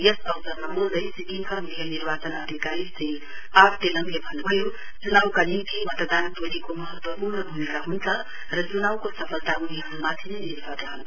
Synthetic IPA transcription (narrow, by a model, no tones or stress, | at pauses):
jesʌwsʌrmamuld̪ʌjsikiŋkʰamijʌniɾbat͡sʌnʌd̪ʱikaɾist̪ʌj | apʰʈelʌmjebʱʌnbʱʌjo | t͡sunawkalimt̪ʰimʌt̪əd̪ant̪oɾikomʌɦʌt̪wʌpurnʌd̪ʱunekaɦunt͡sʰʌ | rʌt͡sunawkosʌpʰʌlt̪auniɦʌnumat̪ʰineniɾbʱʌd̪ɦʌn